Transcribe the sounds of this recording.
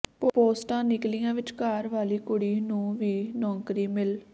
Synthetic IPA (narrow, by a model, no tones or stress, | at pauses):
ppoːsʈãːnɪklijãːʋɪt͡ʃkaːɾʋaːliːkʊɽiːnũːʋiːnɔ̃ːŋkɾiːmɪl